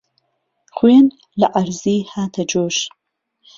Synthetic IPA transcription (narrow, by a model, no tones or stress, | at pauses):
χʷeːn | lɨʔaɾziːħaːtʰɐd͡ʒoːʃ